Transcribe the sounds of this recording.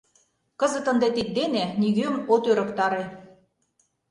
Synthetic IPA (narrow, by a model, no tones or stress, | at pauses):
kɤ̆zə̆t̪ə̆nd̪et̪ik̪̚d̪eneniɣømot̪øɾə̆kt̪ɑɾe